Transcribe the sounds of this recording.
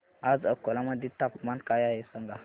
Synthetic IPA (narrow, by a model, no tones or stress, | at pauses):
azakolamaditapmankajajesaŋɡa